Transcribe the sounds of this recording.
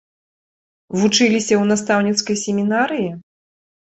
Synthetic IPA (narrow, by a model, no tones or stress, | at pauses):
vut͡ʂɨlʲisʲɐwnast̪awnʲit̪skɐjsʲɛmʲinaɾɨji